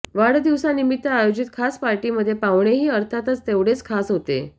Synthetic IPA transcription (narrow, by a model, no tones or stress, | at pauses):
ʋaɽd̪iʋsanimit̪ːəajod͡ʑit̪kʰaspaɾʈiməd̪ʱːjepaʋɳeɦiːəɾt̪ʰat̪ət͡st̪eʋɽet͡skʰasɦot̪ḛ